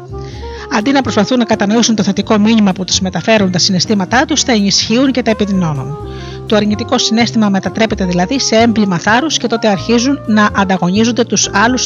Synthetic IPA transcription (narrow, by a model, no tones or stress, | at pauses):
ɐnd̪inɐpɾo̞spɐθunːɐkɐt̪ɐno̞isunt̪o̞θe̞t̪iko̞minimɐput̪uzme̞t̪ɐfe̞ɾunt̪ɐsine̞st̪imɐt̪ɐt̪ust̪ɐe̞nisçiunce̞t̪ɐepiðino̞nun | t̪o̞ɐɾɲit̪iko̞sine̞st̪imɐme̞t̪ɐt̪ɾe̞pe̞t̪eðilɐðise̞e̞mblimɐθɐɾusce̞t̪o̞t̪e̞ɐɾçizunːɐʔɐnd̪ɐɣo̞ɲizond̪e̞t̪usɐlus